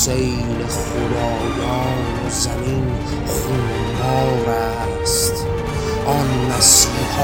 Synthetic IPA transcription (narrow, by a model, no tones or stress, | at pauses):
sej | leχod̪ɒːjɒːnozæmin | χun | bɒːɾæ | st̪ | ʔɒnmæsiːh